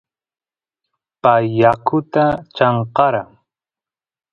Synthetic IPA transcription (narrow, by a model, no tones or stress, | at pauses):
pajːakʊt̪at͡ʃɑɴqɑɾa